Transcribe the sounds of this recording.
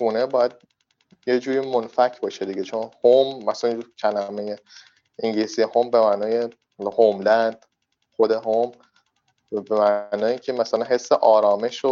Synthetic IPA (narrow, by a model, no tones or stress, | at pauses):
ɡuːne̞bɒːjæd̪̚ | jed͡ʒuːɾiːmonfæcʰbɒːʃed̪iɟet͡ʃʰonhomːæslæcʲʰælæmeje | iŋɟilisijehombe̞mæːnɒːje | homlænd̪̥ | xod̪e̞ɦom | bemænɒːjiːŋcʲʰemæsælænɦe̞sːeʔɒːɾɒːme̞ʃo